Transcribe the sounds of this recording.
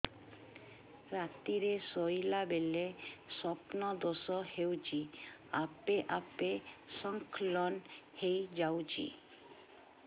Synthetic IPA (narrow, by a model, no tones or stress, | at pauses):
ɾat̪iɾesojlabelesɔpnɔd̪osɔhewt͡ʃiapeʔapesɔŋkʰlɔnhejd͡ʒawd͡ʒḭ